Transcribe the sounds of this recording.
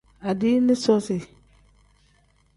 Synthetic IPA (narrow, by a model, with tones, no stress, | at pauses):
a˨di˦nɪ˦sɔ˦si˨